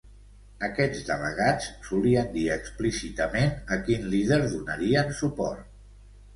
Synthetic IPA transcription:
əkɛd͡zðələɣat͡ssuliənd̪iəksplisit̪əmenəkinliðəɾðunəɾiənsupɔrt̪

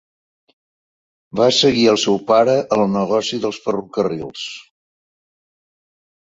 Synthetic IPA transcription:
basəɣiəlˠsɛwpaɾəʔːlˠnəɣɔsiðəlˠsfərukərilˠs

